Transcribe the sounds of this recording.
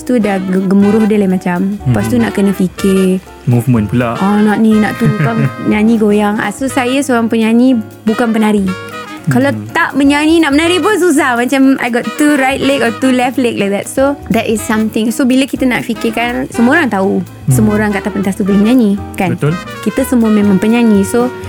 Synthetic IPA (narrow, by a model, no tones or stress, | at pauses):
ast̪udaɡɡəmũɾʊhdəlaimat͡ʃampast̪unaʔkənə̃fikɪ | muvmə̃npulaʔʔɔnɔʔnĩna̰ʔt̪ukaɲãɲĩɡojaŋa̰sosajasoɾaŋpəɲãɲĩ | bukanpənaɾi | kalat̪aʔməɲãnĩnaʔmənaɾip̬ʊns̬us̬ahmat͡ʃama̰jɡɔtːuɾajtlekɔt̪ulɛftlek̚lajk̚d̪ɛt̚sod̪ɛtɪsːamt̪ɪ̃ŋsobiləkit̪ənaʔfikɪkansəmũoɾaŋt̪au | səmoɾaŋkaʔt̪apənt̪ast̪upəliməɲãɲĩkanət̪l | kit̪əsəmuəmemãŋpəɲaɲĩso